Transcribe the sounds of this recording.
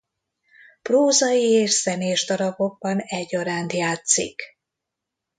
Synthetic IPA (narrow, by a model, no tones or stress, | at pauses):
proːzɒjieːʃsɛneːʒd̪ɒɾɒɡo̞ɡ̚bɒnɛɟːoɾaːnt̪jaːt̪sḭk